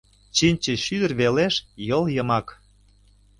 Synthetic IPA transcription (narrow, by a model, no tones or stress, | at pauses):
t͡ɕinʲt͡ɕə̆ʃyd̪ə̆rβeleʃjɤljəmɑk